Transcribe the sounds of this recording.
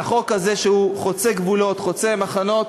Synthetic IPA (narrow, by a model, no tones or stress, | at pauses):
aχo̞khaze̞ʃeuχot͡seɡvulo̞t̪χo̞t͡se̞maχano̞t̪̚